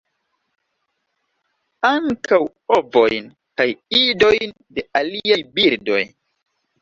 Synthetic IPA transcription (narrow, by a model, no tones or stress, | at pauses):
aŋkaw | ovojn | kajido̞jn | deʔaliajbiɾdo̞̰j